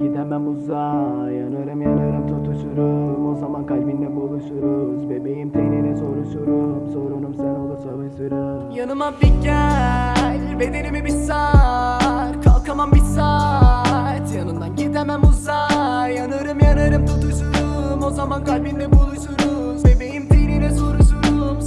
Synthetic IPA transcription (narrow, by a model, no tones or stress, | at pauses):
ɟ̥id̪ɛmɛmuza | janɯɾɯmjanɯɾɯmt̪ʰut̪ʰuʃuɾumo̞zamankalʲbind̪ɛbolˠuʃuɾuzbebejimt̪ʰenenɛso̞ɾuʃuɾumso̞ɾunumsɛnolˠusolˠɯʃɯɾu | janɯmabiɟæ | lʲbe̞d̪e̞ɾimibisa | ɾkʰalˠkʰamambisa | t̪janɯmnd̪anɟid̪æmæmuzajanɯɾɯmjanɯɾɯmt̪ʰut̪uʃuɾumo̞zamankʰalʲbind̪ɛbulˠuʃuɾu | zbebe̞jimt̪ʰejninɛso̞ɾuʃuɾum